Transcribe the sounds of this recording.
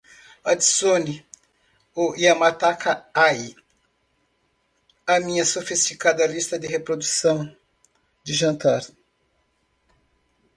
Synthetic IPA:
ad̪isoni | oʔiamat̪akaai | amĩɲɐsofist͡ʃikad̪ɐlist̪ɐd̪ɪɦepɾod̪usɐ̃w̃ | d͡ʒ̪ɪʒɐ̃nt̪aɾ

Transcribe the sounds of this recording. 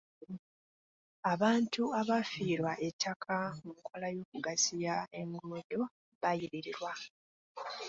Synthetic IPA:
aβaːntuaβafiːɾwaʔe̞tʰːakʰaumukʰo̞lajo̞ːk̚uɡazijae̞ŋɡoːdo̞ | βajiɾiɾiɾwa

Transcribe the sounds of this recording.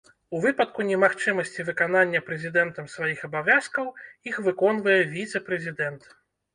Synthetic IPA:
uvɨpɐt̪̚kunʲɛmaxt͡ʂɨmɐsʲt͡sʲivɨkananʲːɐpɾɛzʲid̪ɛnt̪ɐmsvajixɐbavʲaskɐwixvɨkɔnvɐjɛvʲit̪sɛpɾɛzʲid̪ɛnt̪

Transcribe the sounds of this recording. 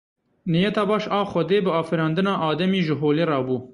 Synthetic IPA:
nijɛt̪ɑːbɑːʃɑːxʷɔd̪eːbɨɑːfɨɾɑːnd̪ɨnɑːʔɑːd̪ɛmiːʒɨɦoːleːrɑːbuː

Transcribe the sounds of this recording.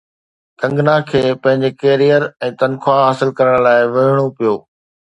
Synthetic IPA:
kɐ̃ŋɡnakʰeːpɐ̃ɦɪ̃ɲd͡ʑekeːɾijəɾɛ̃ːt̪ɐnkʰwaɦaːsɪlkɐɾəɽ̃laːɪʋeːɪɽ̃opijoː

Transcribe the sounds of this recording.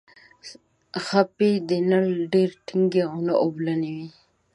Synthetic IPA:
xaped̪enalɖeɾʈʰiŋɡeɣʊnaʔoblaniwi

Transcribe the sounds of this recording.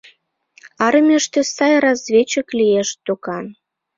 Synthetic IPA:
ɑɾə̆mʲeʃt̪ĕsɑjrɑzvʲet͡ɕə̆klijeʃt̪okɑn

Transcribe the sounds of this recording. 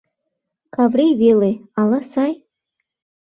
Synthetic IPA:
kʰavrejvelejalasaj

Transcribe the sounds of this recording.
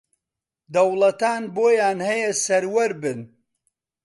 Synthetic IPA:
d̪ɐwlɐt̪aːnboːjaːnhɐjɛsɐɾwɐɾbɨn

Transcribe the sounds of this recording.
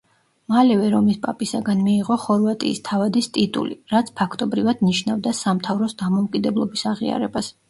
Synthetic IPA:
malɛvɛɾɔmispʼapʼisaɡanmiːʁɔχɔɾvat̪ʼḭːst̪ʰavad̪ist̪ʼit̪ʼṵliɾat̪sʰpʰakʰt̪ʼɔbɾivad̪niʃnavd̪asamt̪ʰavɾɔsd̪amɔukʼid̪ɛblˠɔbisaʁḭa̰ɾɛ̰bas

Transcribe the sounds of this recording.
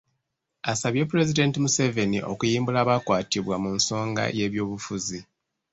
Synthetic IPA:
asaβje̞p̬uɾe̞zide̞ntimuse̞ve̞niʔo̞̰kujiːmbulaːβakwaːtiβwamuːnso̞ːŋɡa̰je̞ːβjo̞ːβufuzi

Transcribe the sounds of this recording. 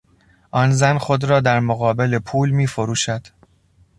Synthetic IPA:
ʔɒːnzænxo̞d̪ɾɒːd̪æɾmoɣɒːbe̞lepʰuːlmiːfoɾuːʃæd̪̥

